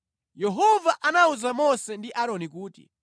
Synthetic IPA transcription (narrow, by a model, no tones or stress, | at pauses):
jɛɦɔvaʔanauzamɔsɛndiʔaɾɔnikuːtḭ